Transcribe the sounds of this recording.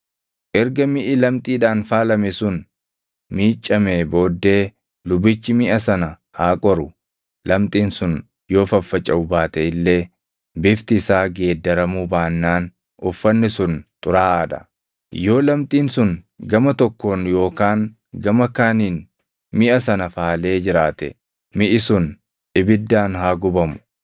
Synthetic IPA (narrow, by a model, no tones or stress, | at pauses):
ʔɛɾɡɐmɪʔɪlɐmt̪ʼiːᶑaːnfaːlɐmɛsʊn | miːt͡ʃʼːɐmeːbo̞ːd̪ːe̞ː | lʊbɪt͡ʃːɪmɪʔɐsɐnɐ | haːkʼɔɾʊ | lɐmt̪ʼiːnsʊn | jo̞ːfɐfːɐt͡ʃʼːɐʊbaːt̪ɛɪlːe̞ː | bɪft̪ɪsaːɡeːd̪ːɐɾɐmuːbaːnːaːn | ʊfːɐnːɪsʊnt̪ʼʊɾaːʔːd̪ɐ̥̰ | jo̞ːlɐmt̪ʼiːnsʊn | ɡɐmɐt̪ɔkːo̞ːnjo̞ːkaːŋ | ɡɐmɐkaːniːn | mɪʔɐsɐnɐfaːle̞ːd͡ʒɪɾaːt̪ɛ̰ | mɪʔɪsʊn | ᶑɪbɪd̪ːaːnɦaːɡʊbɐmʊ̥